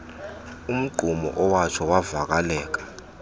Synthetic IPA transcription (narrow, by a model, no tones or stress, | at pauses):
um̩ɡ͡ǃʱumɔ̰ʔɔwat͡ʃʰɔwavak̬alɛːk̬ḁ